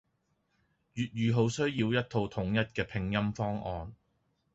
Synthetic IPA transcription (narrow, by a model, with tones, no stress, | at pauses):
jyː˨t̚ɥyː˨ɦo˨˥wsɵ˥ɥjiː˧wjɐ˥t̚t̪ʰo˧wt̪ʰʊ˨˥ŋjɐ˥t̚kɛː˧pʰɪ˧ŋjɐ˥mfɔː˥ŋʔɔː˨˧n